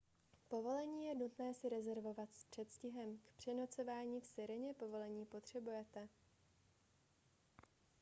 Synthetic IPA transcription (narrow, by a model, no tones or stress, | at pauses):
po̞vo̞lɛɲiːjɛnut̪nɛːsɪɾɛzɛɾvo̞vat̪spr̝̥ɛt̪scɪɦɛmkpr̥ɛno̞t͡so̞vaːɲiːfsɪɾɪɲɛpovo̞lɛɲiːpo̞t̪r̝̥ɛbujɛt̪ɛ